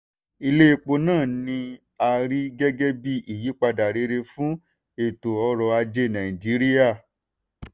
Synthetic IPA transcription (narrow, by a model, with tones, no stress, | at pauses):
i˧le˦i˧k͡po˧nãː˦˨nĩ˧ | a˧ɾi˦ɡɛ˦ɡɛ˦bi˦ʔi˨ji˨˦k͡pa˧da˨ɾe˨˧˦ɾe˧fũ˦ | e˨to˨ɔ˧ɾɔ˧a˧d͡ʒe˧nã˨i˨d͡ʒi˨˦ɾi˦ja˦˨